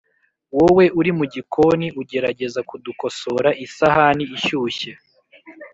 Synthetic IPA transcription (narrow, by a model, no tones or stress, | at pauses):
wowe̞ʔuɾimuɟikʰo̞niʔuɟe̞ɾaɟe̞zakuduko̞so̞ɾaʔisahaniːʃuːçe